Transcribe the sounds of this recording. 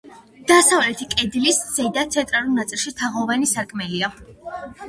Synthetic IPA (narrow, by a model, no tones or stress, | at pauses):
d̪̥asavlɛt̪ʰikʼɛd̪lisz̥ɛd̪at̪sʰɛnt̪ʼɾalulˠnat̪sʼilˠʃit̪ʰaʁɔvanisaɾkʰʼmɛlia